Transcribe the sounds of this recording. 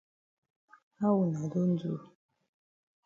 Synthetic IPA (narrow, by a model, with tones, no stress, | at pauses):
a˦wu˨na˨do˦n̩˦d͡zṵ˦˨